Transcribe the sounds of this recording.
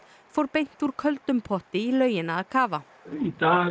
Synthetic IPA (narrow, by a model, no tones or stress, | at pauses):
fɔɾbɛn̥t̪uːɾkʰœlt̪ʉmpʰɔt̪ɪiːlœʏənəɑːkʰɑːʋɑ | id̪̥ɑː